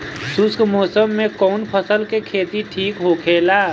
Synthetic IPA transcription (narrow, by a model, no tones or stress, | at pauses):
sʊskmɔːsəmːẽkɔːnpʰəsəlkekʰeːt̪iʈʰiːkɦokʰeːlaː